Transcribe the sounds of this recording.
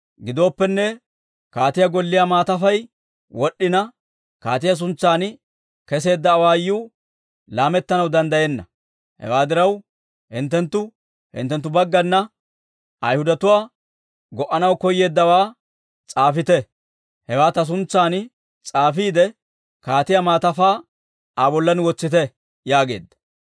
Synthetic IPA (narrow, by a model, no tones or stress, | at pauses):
ɡɪd̪o̞ːpːɛnːɛ | kaːt̪ɪjɐɡɔlːɪjamaːt̪ɐfɐj | wɔɗːɪnɐ | kaːt̪ɪjɐs̬ʊnt͡sːaːn | kɛs̬e̞ːd̪ːɐːwaːjːuː | laːmɛt̪ːɐnɐwd̪ɐnd̪ɐjeːnːɐ | hɛ̰waːd̪ɪɾɐw | hɪnt̪ːɛnt̪ːʊ | hɪ̰nt̪ːɛnt̪ːʊbɐɡːɐnːɐ | ʔɐjhʊd̪ɐt̪ʊwaː | ɡɔʔɐnɐwkɔjːe̞ːd̪ːɐwaː | t͡sʼaːfɪt̪ɛ | hɛwaːt̪ɐs̬ʊnt͡sːaːn | t͡sʼaːfiːd̪ɛ | kaːt̪ɪjamaːt̪ɐfaː | abɔlːɐnwɔt͡sːɪt̪ɛ | jaːɡe̞ːd̪ːɐ̥